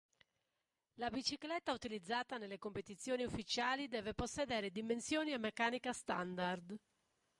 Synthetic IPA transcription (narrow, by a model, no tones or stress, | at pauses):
labit͡ʃiklɛt̪ːaut̪ilid̪zːaːt̪anelːekompet̪it̪sːjoːniufːit͡ʃaːlid̪ɛːveposːɛd̪ɛːɾed̪imensjoːniamːɛkːaːnikast̪and̪ard̪